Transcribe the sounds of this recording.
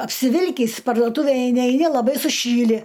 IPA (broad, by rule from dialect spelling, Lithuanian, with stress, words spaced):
ɐpʲsʲɪˈʋʲɪlʲkʲiːs pɐrduɔˈtuːʋʲeːj ɛɪˈnʲɪ ɛɪˈnʲɪ lˠɐˈbɐɪ sʊˈʃʲiːlʲɪ